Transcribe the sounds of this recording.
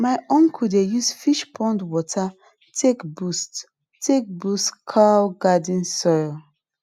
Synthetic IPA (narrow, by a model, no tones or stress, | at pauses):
maɪɔ̃ŋkʰudejusfiʃpʰɔ̃ndwɔtʰa | tʰekbust | tek̚bustkʰaɡadĩnsɔjl